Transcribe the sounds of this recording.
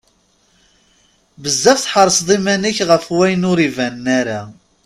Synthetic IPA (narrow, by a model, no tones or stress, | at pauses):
bəzːæfθħəɾˤəsðˤimænəçʁəfwæjnʊɾivænːaɾa